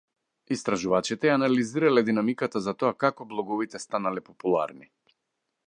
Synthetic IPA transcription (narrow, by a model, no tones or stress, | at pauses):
ist̪ɾaʒuvat͡ʃit̪ɛjaːnaliziɾalɛd̪inamikat̪azat̪ɔakakɔblˠɔɡɔvit̪ɛst̪analɛpɔpulˠa̰ɾni